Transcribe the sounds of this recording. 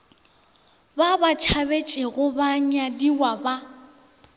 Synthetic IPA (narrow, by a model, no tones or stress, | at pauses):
babat͡ʃʰabet͡ʃʼeɣʊbaɲ̩adiwaba